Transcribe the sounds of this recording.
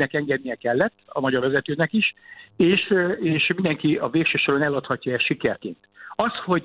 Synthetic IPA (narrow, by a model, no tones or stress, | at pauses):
nɛkɛŋɡɛd̪̚nijɛkɛlːɛt̪ːɒmɒɟɒrvɛzɛt̪øːnɛkiʃeːʃeːʃmind̪ɛŋkiɒveːkʃøːʃo̞ɾonɛlːɒt̪hɒcːɒɛʃikɛrkeːnt̪ɒst̪ho̞ɟ